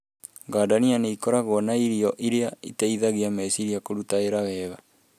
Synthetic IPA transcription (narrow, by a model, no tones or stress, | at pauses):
ŋɡaːdanianeikɔɾaɣɔnaiɾiɔʔiɾeaitaiðaɣeamɛsiɾiakoɾutaeɾawɛβa